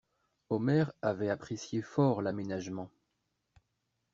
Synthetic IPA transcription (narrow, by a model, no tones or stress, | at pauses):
ɔmɛʁavɛapχesjefɔʁlamenaʒmɑ̃